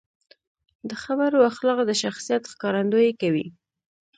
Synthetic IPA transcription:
d̪əxabaɾoaxlɑɣd̪əʃaxsijat̪xkɑɾand̪ojekawḭ

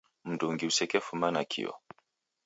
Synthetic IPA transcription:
m̩dɔŋɡiusɛkɛfumanakʰḭwɔ̰

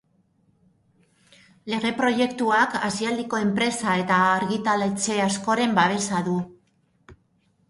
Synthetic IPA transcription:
le̞ɣe̞pɾo̞je̞kt̪uakasiald̪iko̞e̞mpɾe̞sae̞t̪aːɾɣit̪alet͡se̞asko̞ɾe̞mbaβ̞e̞saðu

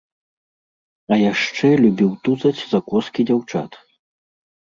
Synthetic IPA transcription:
ɐjaʂt͡ʂɛlʲubʲiwt̪uzɐt͡sʲzakɔskʲid͡zʲawt͡ʂa̰t̪

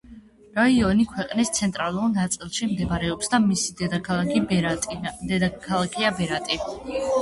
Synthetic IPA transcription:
ɾaiɔnikʰwɛqʼnist̪sʰɛnt̪ʼɾalˠuɾnat̪sʼilˠʃimd̪ɛbaɾɛɔpsd̪amisid̪ɛd̪akʰalˠakʰi | d̪ɛd̪akʰalˠakʰiabɛɾat̪ʼi

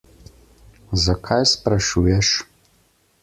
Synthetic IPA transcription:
zakʰajspɾaʃuːjɛʃ

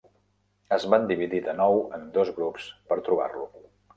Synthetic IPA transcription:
əzβand̪iβiðiðənɔwənd̪ozɣɾupspəɾt̪ɾuβ̞a̰rlu

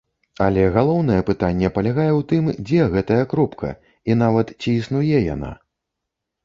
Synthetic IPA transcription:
ɐlʲɛɣalˠɔwn̪ɐjɛpɨt̪anʲːɛpɐlʲaɣajɛwt̪ɨmd͡zʲɛɣɛt̪ɐjɐkɾɔpkʰɐ̰ | in̪avɐt̪t͡sʲiːsnujɛja̰na̰

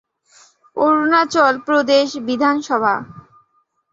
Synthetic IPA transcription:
oɾunat͡ɕɔlpɾod̪eʃbid̪ʱanʃɔbʱa̰

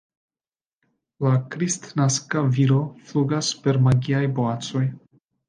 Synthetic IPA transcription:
lakɾistnaskaviɾo̞fluɡaspe̞ɾmaɡiajbo̞at͡so̞j

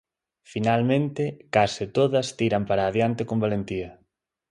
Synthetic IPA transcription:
finalmẽnt̪ɪkasɪt̪oðɐst̪iɾɐmpaɾaːðjant̪ɪkombalent̪iɐ

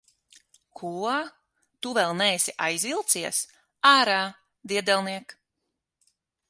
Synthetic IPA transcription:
kʰuɔ | t̪uvɛlˠnɛːsʲiʔajzvilˠt̪siɛs | aːɾaː | d̪iɛd̪ɛlˠniɛk

